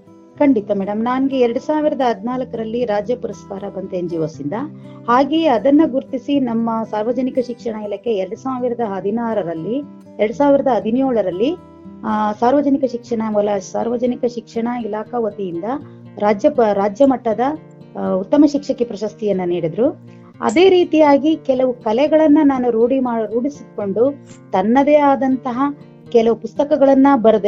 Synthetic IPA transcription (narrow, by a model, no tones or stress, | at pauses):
kɐɳɖit̪ɐmɛːɽɐmnaːnɡeɛɾɐɽusaːʋiɾɐd̪ɐɦɐd̪ʱinaːlɐkɐɾɐlːiɾaːd͡ʒjɐpuɾɐskaːɾɐbɐnt̪eɲd͡ʒiʋɐsind̪ɐhaːɡeɐd̪ɐnːɐɡuɾt̪isinɐmːɐsaːɾʋɐd͡ʒɐnikɐʃikʂɐɳɐilɐkeɛɾɽusaːʋiɾɐd̪ɐɦɐd̪ʱinaːɾɐɾɐlːi | ɛɾɐɽusaːʋiɾɐd̪ɐɦɐd̪ʱinjoːɭɐɾɐlːi | saːɾʋɐd͡ʒɐnikɐʃikʂɐɳɐʋɐlɐsaːɾʋɐd͡ʒɐnikɐʃikʂɐɳɐilaːkɐʋɐt̪ijind̪ɐ | ɾaːd͡ʒjɐɾaːd͡ʒjɐmɐʈːɐd̪ɐ | ut̪ːɐmɐʃikʂɐkipɾɐʃɐst̪ijɐnːɐniːɽid̪ɾu | ɐ̰d̪e̞ːɾiːt̪ijaːɡikɛlɐʋukɐlɛɡɐɭɐnːɐnaːnuɾuːɽimaːɾuːɽisiko̞ɳɖu | t̪ɐnːɐd̪eaːd̪ɐnt̪ɐɦɐ | kɛlɐʋupust̪ɐkɐɡɐɭɐnːɐbɐɾɐd̪e